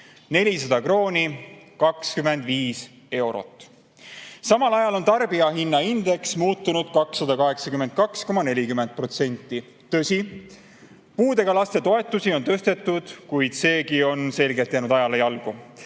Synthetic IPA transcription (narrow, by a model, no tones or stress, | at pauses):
ne̞lʲis̬ɑd̪̥ɑkro̞ːnʲikɑkskyme̞nd̪viːs | e̞wɾo̞̰t̪ːˑ | sɑmɑlɑjɑlo̞nt̪ɑrb̥iɑɦinːɑind̪̥e̞ksmuːt̪ːˑunud̪̥kɑksːɑd̪̥ɑkɑɦe̞ksɑkymen̚kɑksko̞mɑne̞lʲikyme̞nd̪̚pro̞t̪se̞nʲt̪ˑːi | t̪ɤ̞sʲi | puːd̪e̞ɡ̥ɑlɑst̪e̞t̪o̞e̞t̪ːˑusio̞nt̪øst̪e̞t̪ːˑud̪̥kujd̪̥se̞ːɡio̞nse̞lɡet̪ːˑjænud̪ɑjɑlejɑlɡ̥u